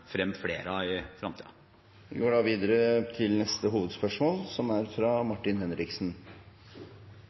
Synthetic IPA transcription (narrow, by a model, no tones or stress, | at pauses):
fɾɛmflḛːɾɑɪfɾɑmt̪iːɑ | ɡøːɖɑːʋiːd̪əɾət̪ʰɪlnɛst̪əɦuːʋəd̪spœʂmoːlsɔmæɾfɾɑmɑʈːɪnɦɛnɾɪksn